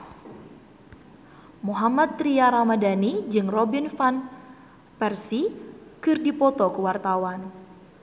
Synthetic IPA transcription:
muɦamat̪ːɾiaɾamadanid͡ʒɨŋrɔbinfan | pɛrsikɨrdipɔt̪ɔkəwart̪awan

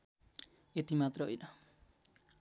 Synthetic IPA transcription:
et̪imat̪rʌɦo̰jnʌ

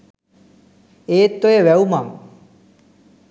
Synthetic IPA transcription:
eːt̪ːojeʋɛumam

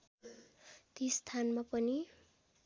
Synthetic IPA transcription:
t̪ist̪ʰanmapʌni

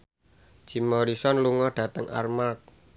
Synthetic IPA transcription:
d͡ʒ̥imɔɾisɔnluŋɔɖ̥ä̤t̪əŋʔa̰rmak̚

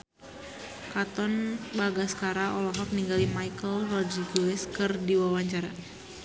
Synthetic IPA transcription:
kat̪ɔnbaɡasə̥kaɾaɔlɔɦɔk̚niŋɡalimajkəlrɔd͡ʒiɡuɛskərdiwawaɲt͡ʃaɾa

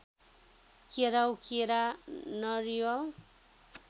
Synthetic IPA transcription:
keɾawkeɾanʌɾijʌw

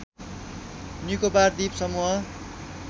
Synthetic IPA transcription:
nikobard̪ipsʌmuɦʌ

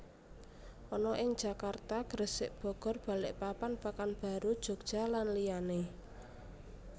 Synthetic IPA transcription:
ʔɔnɔʔɪŋd̥ʒ̥a̤kart̪aɡ̥ɾəsɪʔb̥ɔ̤ɡ̥ɔ̤rb̥a̤lɪʔpapanpakanb̥a̤ɾud̥ʒ̥o̤ɡ̥̚d̥ʒ̥a̤lanlijane

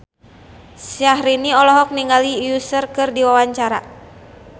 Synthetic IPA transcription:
siaɦɾiniɔlɔɦɔk̚niŋɡalijusərkɨrdiwawaɲt͡ʃaɾa

